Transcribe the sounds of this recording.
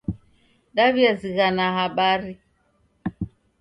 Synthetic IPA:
ɗaβiaziɣanaɦaɓaɾi

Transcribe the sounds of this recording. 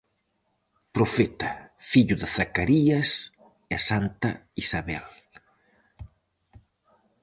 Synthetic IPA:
pɾofɛt̪afiʎʊðɪθakaɾiɐs | esant̪a̰isaβɛl

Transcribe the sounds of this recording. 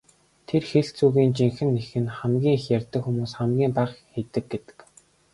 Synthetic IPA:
t̪ʰerxeɬt͡suːɣiːnt͡ɕiŋxɘ̆nːexɘ̆nχæmɡʲiːŋxjærʲt̪ə̆kxumuːsχæmɡʲiːmpaːχxet̪ɘ̆k̚ɡet̪ɘ̥̆k

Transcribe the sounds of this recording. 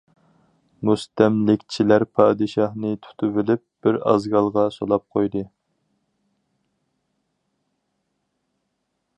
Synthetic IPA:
must̪ɛmlɪkʲt͡ʃʰilæɾpʰɑːd̪ɨʃɑhnɨt̪ʰu̥t̪ʰyvɪlɪp̚b̥ɪɾɑ̰zɡɑlˠʁɑsolˠɑp̚qʰojd̪ɨ

